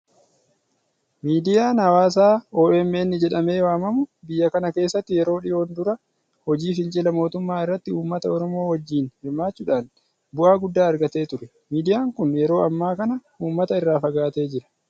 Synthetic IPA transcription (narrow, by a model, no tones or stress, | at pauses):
miːd̪ɪjaːnɐwaːs̬aːoːɛmːɛnːɪd͡ʒɛᶑɐme̞ːwaːmɐmʊbɪjːɐkɐnɐke̞ːsːɐt̪ːɪjɛɾo̞ːᶑɪjo̞ːnd̪ʊɾɐ | hɔd͡ʒiːfɪnt͡ʃʼɪlɐmo̞ːt̪ʊmːaːɪrːɐt̪ːɪuːmːɐt̪ɐɔɾɔmo̞ːhɔd͡ʒːiːnhɪɾmaːt͡ʃːʊːᶑaːn | bʊʔaːɡʊd̪ːaːɐɾɡɐt̪e̞ːt̪ʊɾɛ | miːd̪ɪjaːŋkʊnjɛɾo̞ːɐmːaːkɐnɐ | uːmːɐt̪ɐɪrːaːfɐɡaːt̪e̞ːd͡ʒɪɾɐ̥